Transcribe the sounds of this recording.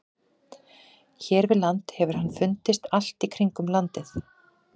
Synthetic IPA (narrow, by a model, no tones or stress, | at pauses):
çɛːɾvɪðlant̪hɛvʏɾ̥hanːfʏnt̪ɪst̪al̥t̪ikʰɾiŋkʏmlant̪ɪθ